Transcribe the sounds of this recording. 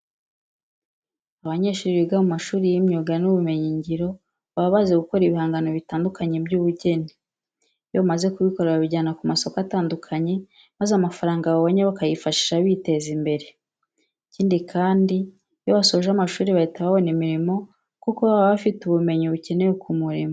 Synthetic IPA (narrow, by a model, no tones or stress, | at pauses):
aβaɲe̞ːʃuːɾiiɡamumaʃuːɾijimɲoɡanuβume̞ɲiɲɟiɾo̞ | βaβaze̞ɡuko̞ɾiβihaːŋɡano̞βitaːndukaɲe̞bjuːβuɟe̞ni | jomaze̞kuβiko̞ɾeɾaβiɟaːnakumaso̞kataːndukʰaɲe̞ | mazamafaɾaːŋɡaβoβoɲeβakajifaʃi̥ʃaβite̞zimbe̞ɾe̞ | ciːndikʰaːndi | jo̞βasoʒamaʃuːɾiβaitaβaβonimiɾimo̞ | kukoβaβaβafituβume̞ɲiβuce̞nejokʰumuɾimo